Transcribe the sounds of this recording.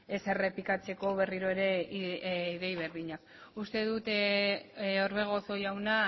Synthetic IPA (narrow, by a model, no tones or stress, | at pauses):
ese̞re̞pikat͡se̞ko̞β̞e̞riɾoe̞ɾe̞ | iðejβe̞ɾðiɲak̚ | ust̪e̞ðut̪ | oɾβe̞ɣ̞o̞so̞jawna